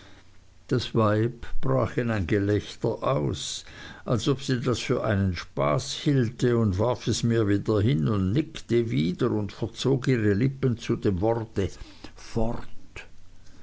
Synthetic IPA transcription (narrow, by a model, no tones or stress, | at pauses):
d̥asvaɪbb̥ʁa̰ːxɛnaɪnɡelɛçtəʔaʊsʔalsopsiːdasfyːɐʔa̰ɪnənʃpa̰ːshiːltəʊndvaʁfɛsmiːɐviːdɐɦɪnʊndnɪktəviːdəʁʊndfɛɐt͡soːkiːʁəlɪpənt͡sudeːmvɔʁtə | fɔʁtt